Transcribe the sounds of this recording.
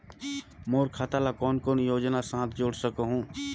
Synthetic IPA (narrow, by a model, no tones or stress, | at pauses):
moːɾkʰat̪alakɔːnkɔːnjoːd͡ʒnasãːt̪ʰd͡ʒoːɽsəkəɦũː